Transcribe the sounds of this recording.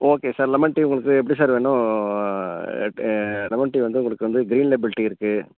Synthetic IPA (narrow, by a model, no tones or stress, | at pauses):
oːkeːsaːɾlɛmɐɳʈːiʊŋɡɐɭɯkːɯɛpːɐɽisaːɾʋeːnʊ̃ | lɛmɐɳʈːiʋɐnd̪ɯʊŋɡɐɭɯkːɯʋɐnd̪ɯɡɾiːnlebɪlɪʈːiɪɾɯkːɯ